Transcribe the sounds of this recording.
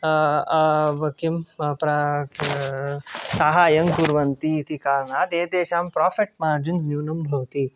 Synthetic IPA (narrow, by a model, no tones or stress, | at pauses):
ʋɐkimpɾɐ | saɦaːjɐŋkuɾʋɐnt̪iːt̪ikaːɾɳaːt̪eːd̪eːʃaːmpɾaːfeʈ̚maːɾd͡ʒins̬njuːnɐmbʱɐwt̪iː